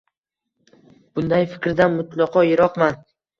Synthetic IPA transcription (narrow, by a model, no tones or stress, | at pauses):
b̥ʊnd̪ajfɪ̥kʲɾd̪anmʊt̪ʰlˠɒqʰɒjɪɾɒqman